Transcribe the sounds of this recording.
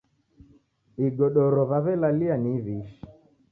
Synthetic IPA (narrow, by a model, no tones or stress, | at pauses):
iɡɔɗɔɾɔβaβɛlalianiβiʃi̥